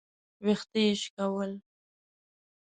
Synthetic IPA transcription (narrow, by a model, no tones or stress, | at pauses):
wext̪ejɪʃkawəl